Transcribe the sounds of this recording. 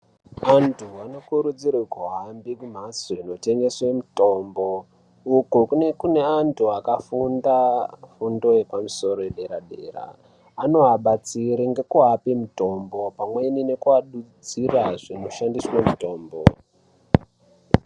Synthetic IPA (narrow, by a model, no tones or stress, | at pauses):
antʰuano̞kuɾud͡zirikoɦambikum̤asoino̞te̞ŋɡe̞swemuto̞ːmbo | ukokunekune̞antʰuakafundafundo̞je̞pamuso̞ɾo̞jeɗe̞ɾaɗe̞̰ːra̰ː | no̞ɦaɓat͡siɾiŋɡe̞kuɦapimuto̞mbo̞pamwe̞nine̞kuaɗud͡ziraʐino̞ʃandiswamuto̞ːmbo̰